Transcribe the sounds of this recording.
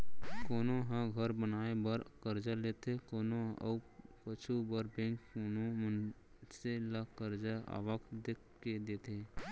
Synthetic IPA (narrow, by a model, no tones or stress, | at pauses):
koːnoɦãɡʱəɾbənaːebəɾkəɾd͡ʒaleːt̪ekoːnoʔə̰kət͡ʃʰubəɾbẽŋkkoːnomən | selakəɾd͡ʒaa̰ːʋəkʰd̪eːk | ked̪eːt̪ʰe